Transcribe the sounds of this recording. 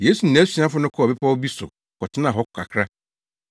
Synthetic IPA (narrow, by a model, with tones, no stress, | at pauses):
jeː˦su˨n̩˨ɛ̃˨˦si˨˦ã˦fʊ˦nʊ̃˦kʰɔ˦˨bɛ˦pʰa˦wɔ˦bi˦sʊ̰˨ | kɔ˨tʰɪ˦nã˨ɦɔ˦kkʰa̰˨kʰɾa˦